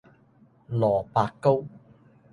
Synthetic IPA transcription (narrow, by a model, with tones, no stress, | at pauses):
lɔː˨˩paː˧kkːo˥w